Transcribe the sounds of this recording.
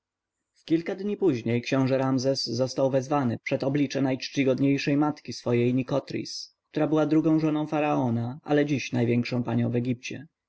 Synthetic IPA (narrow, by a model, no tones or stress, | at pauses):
fkʲilkad̪ɲipuʑɲejkɕɛ̃w̃ʐɛɾamzɛsːɔst̪awvɛzvanɘpʂɛt̪ɔblʲit͡ʂɛnajt͡ʂt͡ɕiɡɔd̪ɲejʂɛjmat̪kʲisfɔjejɲikɔt̪ɾʲḭsk̚t̪uɾabɘwad̪ɾuɡɔ̃w̃ʐɔnɔ̃w̃faɾaɔnaʔa̰lɛd͡ʑiɕnajvʲjɛŋkʂɔ̃w̃paɲɔ̃w̃vɛɡʲip̚t͡ɕɛ̰